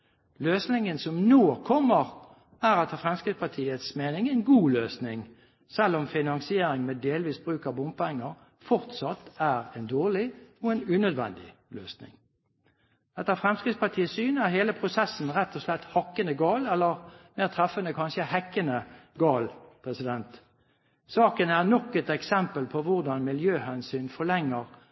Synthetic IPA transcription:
løːsnɪŋənsɔmnoːkʰɔmːəʁ | æɾɛt̪əfʁɛmskʁɪt̪spɑt̪ʰiːət̪smeːnɪŋɛnɡuːløːsnɪŋ | sɛlːɔmfɪnɑŋsɪeːɾɪŋmeːd̪eːlʋiːsbʁʉːkɑbʊmpɛŋːəʁ | fɔʁt̪sɑt̪ːæʁɛnd̪oːʁlɪɔɛnʉnœd̪ʋɛ̰nd̪ɪ̰løːsnɪ̰ŋ | ɛt̪ːəʁfʁɛmskʁɪtspɑt̪ʰiːəsyːnæʁɦeːləpʰʁʊsɛsn̩ʁɛt̪ʰːɔslɛt̪hɑkːənəɡɑːlɛlːəʁmeːʁt̪ʰʁɛfənəkʰɑnʃəhɛkːənəɡɑːlpʰʁɛsɪd̪ɛnt̪ | sɑːkənæʁnɔkɛt̪ɛksɛmpəlpʰɔʋʊʁd̪ɑnmɪljøːhɛnsyːnfɔlɛŋːəʁ

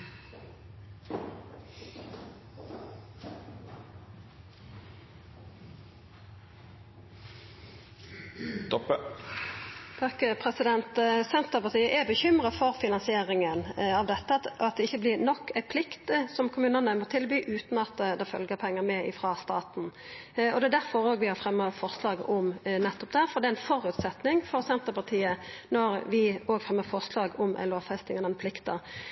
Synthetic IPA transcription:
t̪ɔpə | pʰøkəpʰʁɛsɪd̪ɛnt̪sɛnt̪əʁpɑʁt̪iːəʔɛbəçʏmʁəfɔʁfɪnɑnsɪeːʁɪŋənɑʋd̪ɛt̪ːəɑt̪̚d̪ɛɪçːəblɪɾnɔkʰːæɪpʰlɪkt̪sɔmkʰʊmʉːnənəmːɔʁt̪ʰɪlbyːʔʉːt̪nɑt̪ːd̪ɛfœ̰lɡəɾpʰɛŋːəɾmɛɪfʁɑst̪ɑːt̪n̩ɔd̪ɛæd̪æɾfɔɾoːɡʋɪhɑɾfʁɛmːəfɔɾslɑːɡʊmnɛt̪ːɔp̚d̪æɾfɔɾd̪ɛæɪnfɔɾʉt̪sɛt̪nɪŋfɔɾsɛnt̪əʁpɑt̪ʰiːənɔɾʋɪoːɡfɾʁɛmːəfɔʁslɑːɡʊmʔæ̰ɪloːʋfɛst̪ɪŋɛnɛnpʰlɪkt̪əʁ

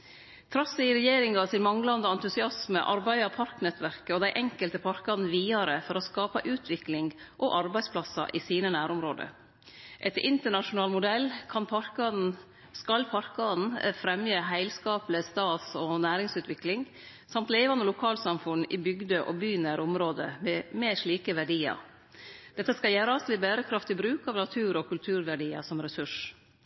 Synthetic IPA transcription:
t̪ʰɾɑsːɪɪɾɛjeːɾɪŋɑsɪnmɑŋlɑnd̪əɑnt̪ʉsɪɑsməʔɑɾbæɪɑpʰɑɾknɛt̪ʋæɾkəɔd̪æɪʔɛŋkəlt̪əpʰɑɾkɑnʋiːɑɾəfɔɾɔskɑːpɑʔʉːt̪ʰʋɪklɪŋʔɔʔɑɾbæɪspʰlɑsɑ̰ʔɪsiːnənæːɾʊmɾoːd̪ə̰ | ʔɛt̪ɪnt̪əɳɑʂʊnɑːlmʊd̪ɛlːkʰɑnpʰɑɾkɑn̩ | skɑlpʰɑɾkɑnfɾɛmjəɦæɪlskɑːpləst̪ɑːt̪sɔnæːɾɪŋsʉːt̪ʋɪklɪŋ | sɑmt̪leɪʋɑnd̪əlʊkʰɑːlsɑmfʉnɪ̰bʏɡd̪əʔɔbyːnæɾʊmɾoːd̪ə̰mɛmeːʂɭiːkəʋæɖiːɑ̰ɾ | d̪̥ɛt̪ːəskɑljæːɾəɑst̪ʋɪbæːɾəkʰɾɑft̪ɪbɾʉːkɑːʋnɑt̪ʰʉːɾɔkʰʉlt̪ʰʉːɾʋæɖiːə̰sɔmɾɛsʉʂ

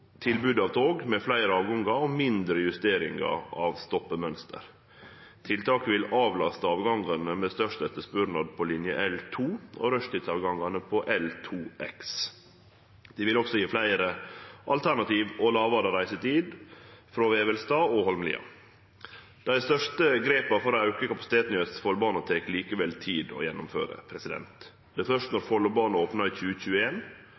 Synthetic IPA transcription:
t̪ʰɪlbʉd̪ɑːʋt̪ʰoːɡmɛflæɪɾəɑːʋɡɑŋɡɑomɪnd̪ɾəjʉst̪eːɾɪŋɡɑ̰ɑːʋst̪ɔpːəmœnst̪ʰə̰ɾ | t̪ʰɪlt̪ʰɑːkəʋɪlɑːʋlɑ̰st̪əɑːʋɡɑŋɡɑnəmɛst̪œʂt̪ɛt̪ːəspʉɾnɑd̪pʰɔlɪnjə̰ʔɛlt̪ʰuːo̰ɾœʂt̪ɪt̪sɑʋɡɑŋɡɑnəpʰɔʔɛlt̪ʰuːʔɛ̰ks | d̪̥ɪʋɪlɔksɔjiːflæɪɾəʔɑ̰lt̪ʰæɳɑt̪iːʋɔlɑːʋɑɾəɾæɪsət̪iːd̪fɾoːʋeːʋɛlst̪ɑːoɦɔlmlɪ̰ːɑ̰ | d̪̥æɪɪst̪œʂʈəɡɾeːpɑfɔɾɔɑʉkəkɑpɑsɪt̪eːt̪nɪøt̪sfɔlbɑːnɔt̪ʰeːkliːkəʋɛlt̪ʰiːd̪ɔ̰ːjɛnːʊmfø̰ːɾə̰pʰɾɛsɪd̪ɛ̰nt̪ | d̪ɛæfœʂtnɔɾfɔlɔbɑːnɑoːpnɑiçʉːəçʉːəeːn

